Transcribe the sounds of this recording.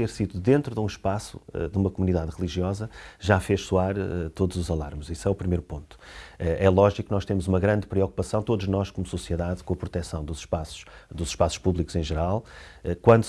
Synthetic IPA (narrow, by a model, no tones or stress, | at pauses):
t̪eɾsiðuðẽnt̪ɾuðũʃpasṵɛ̰d̪umɐkumuniðaðʁɨlˠiʒiɔzɐʒafeʃsuaɾɛt̪oðuzuzɐlˠa̰ɾmziswɛupɾimejɾupõnt̪u̥ɛʔɛlˠɔʒikunɔʃt̪emuzumɐɣɾɐ̃nd̪pɾiɔku̥pɐsɐ̃w̃t̪oðuʒnɔʃkomususiɨðaðkõɐpɾut̪ɛsɐ̃w̃d̪uzʃpasu̥ʃd̪uzʃpasu̥ʃpuβlˠikuz̥ẽʒɨɾalˠɛkwɐ̃nd̪